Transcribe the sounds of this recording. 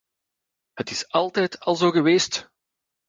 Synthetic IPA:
hətɪsɑlˠtɛjtʰɑlˠzoːɣəʋeːst

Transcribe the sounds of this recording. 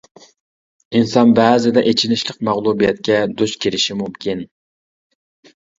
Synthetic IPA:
insɑnbæːzɪd̪ɛʔet͡ʃʰinɪʃlˠəq̚mæʁlˠubijɛt̪̚kʲɛd̪oʃkʲʰiɾɪʃimumkʲʰin

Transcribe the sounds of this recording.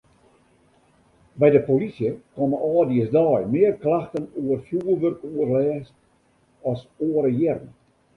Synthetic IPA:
bɛjdəpolisjəkɔməɔːdiəsdɑjmɪərklaxtənuərfjuːəʋørkuərlɛːst | ɔsoəɾəjɛrn

